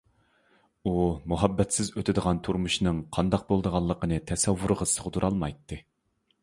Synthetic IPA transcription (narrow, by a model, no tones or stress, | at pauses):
umuɦɑbːɛt̪sɪzøt̪ʰɪd̪əʁɑnt̪ʰuɾmuʃnɨŋqʰɑnd̪ɑq̚bolˠd̪əʁɑlˠːəqənɨt̪ʰɛsɛvːuɾʁɑ̥səʁʊd̪uɾʔɑlˠmɑjt̪ʰːɨ